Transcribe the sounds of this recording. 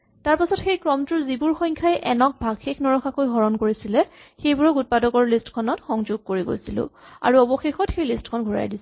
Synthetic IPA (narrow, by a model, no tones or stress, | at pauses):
taɹpasɔtxejkɹɔmtʊɹzibuɹxɔjɲkʰajɛʔɛnɔk̚bʱaɡxekʰnɔɹɔxakojɦɔɹɔnkoɹisilɛxejbʊɹɔkut̚padɔɡɔɹlistkʰɔnɔtxɔŋzuɡ̚koɹiɡo̰jsilʊ̰̃a̰ɹuɔbɔxexɔtxejlistkʰɔnɡʱɔɹa̰jdis